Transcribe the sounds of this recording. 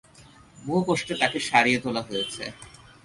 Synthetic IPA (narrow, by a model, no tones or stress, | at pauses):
boɦokoʃʈet̪akeʃaɾijet̪olaɦojet͡ɕʰḛ